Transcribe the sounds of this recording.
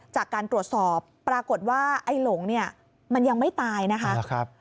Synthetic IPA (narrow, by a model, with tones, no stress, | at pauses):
t͡ɕaː˨˩kːaː˧nt̪ɾu˨˩ət̪̚sɔː˨˩pːɾaː˧ko˨˩t̪̚waː˥˩ʔa˥˩jlo˩˦ŋni˥˩ɐ | ma˧nja˧ŋma˥˩jt̪aː˧jna˦˥kʰa˦˥kʰp̚